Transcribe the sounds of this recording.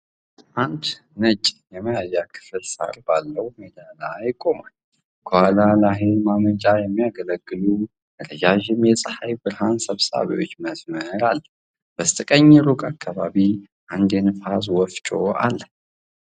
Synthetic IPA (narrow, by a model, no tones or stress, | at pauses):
ʔand̪ | nət͡ʃʼjɛməjajːakʰɨ̥fɨlsa̰ɾbalːəwmed̪alajkʼo̞ma | kʰowalalaɦemamət͡ʃʼajɛmːijaɡələɡːɨlu | əɾəd͡ʒaʒɪmjɛsʼəħajbɨɾhansəβsa̰βḭwot͡ʃːməsməɾalː | bəst̪ʼɨkʼəɲːɾukʼakʰːaβaβi | ʔand̪enfazwɔft͡ʃʼoa̰lːə